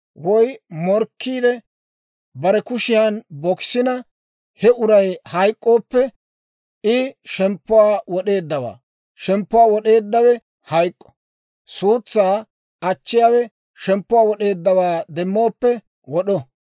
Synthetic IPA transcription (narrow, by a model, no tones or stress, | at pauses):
wɔjmɔɾkːiːd̪ɛ | bɐɾɛkʊʃɪjanbɔksɪnɐ | hɛʊɾɐjhɐjkʼːo̞ːpːɛ | ɪʃɛmpːʊwaːwɔɗe̞ːd̪ːɐwa̰ː | ʃɛmpːʊwaːwɔɗe̞ːd̪ːɐwɛ | hɐjkʼːɔ̥ | suːt͡sːaː | ɐt͡ʃːɪjaːwɛ | ʃɛmpːʊwaːwɔɗe̞ːd̪ːɐwaːd̪ɛmːo̞ːpːɛ | wɔɗɔ